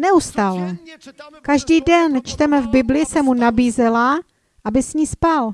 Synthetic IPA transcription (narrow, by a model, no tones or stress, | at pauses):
nɛust̪aːlɛ | kaʒdiːdɛnt͡ʃt̪ɛmɛvbɪblɪsɛmːunabiːzɛla | ʔabɪsɲiːspal